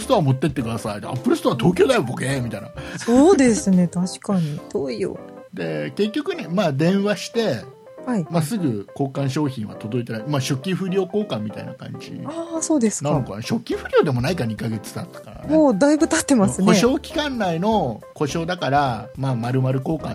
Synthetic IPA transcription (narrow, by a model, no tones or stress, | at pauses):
sɨ̥t̪oβamo̞t̪ːe̞t̪ːe̞kɯ̟d̪asaid̪ḛa̰pːɯ̟ɾɯsɨ̥t̪oat̪o̞ːk̬ʲo̞ːd̪ajobokemʲit̪ainasoːd̪e̞sɨne̞t̪aɕi̥kaɲ̟id̪̥oːijo̰ | d̪e̞ke̞kʲːo̞kɯ̟ɲemaːd̪ẽ̞ɰ̃βaɕi̥t̪e̞ | haimasɨɡɯ̟ko̞ːkãɰ̃ɕo̞ːçĩɰ̃βa̰t̪o̞d̪o̞it̪eamaːɕo̞kʲːĩɸɯ̟ɾʲio̞ːko̞ːkãmːʲit̪a̰ḭna̰kã̰ɲd͡ʑḭaso̞ːd̪esɨ̥nãnnokanaɕo̞kʲːĩɸɯ̟ɾʲo̞ːd̪e̞mo̞naikaɲikaɡe̞t͡sɨ̥t̪at̪ːḁkaɾa̰nmoːd̪aibɯ̟t̪at̪ːe̞masɨnkoeɕo̞ːkʲi̥kãnːaino̞ko̞ɕo̞ːd̪akaɾamaːmaɾɯ̟maɾɯ̟ko̞ːkã